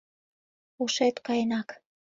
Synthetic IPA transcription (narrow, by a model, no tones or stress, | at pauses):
uʃet̪kɑjenɑk